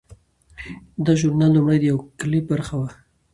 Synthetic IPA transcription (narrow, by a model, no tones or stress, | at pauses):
d̪aʒʊɾnɑlːʊmɽajd̪əjawklip̚baɾxawa